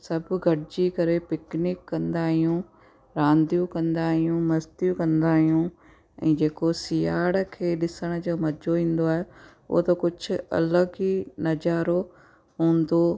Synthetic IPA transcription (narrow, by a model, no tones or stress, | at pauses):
sɐbʱʊɡʱɐʈɪd͡ʑikɐɾepɪknɪkːɐ̃nd̪aːɦijũ | ɾãːnd̪jũkɐ̃nd̪aːɦijũmɐzt̪jũkɐ̃nd̪aːɦijũ | ɛ̰̃ːd͡ʑeːkosiːaːɽkʰeːɗɪsəɽ̃d͡ʑoːmɐd͡ʑʱoʋĩːn̆d̪oaːɦe | ʊ̰o̰t̪ɐkʊd͡ʑʱʊ̆ɐ̰ləɡinɐd͡ʑaːɾo | ɦũːnd̪oː